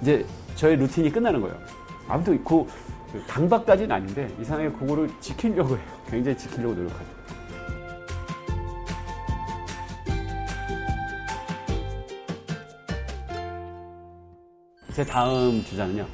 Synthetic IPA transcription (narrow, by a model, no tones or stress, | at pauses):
id͡ʑe̞t͡ɕʌeɾutʰiɲik͈ɯnːanɯnɡʌ̰ejo̰ | a̰mutʰoko | kɯkaŋbak̚k͈ad͡ʑiɯna̰ɲinde̞is̬ʰaŋaŋekɯɡʌɾɯɭt͡ɕikʰiʎjʌɡoejokwe̞ŋd͡ʑaŋit͡ɕi̥kʰiʎːʌɡonoɾjʌkʰad͡ʑo | t͡ɕe̞taɯmt͡ɕud͡ʑanɯɲo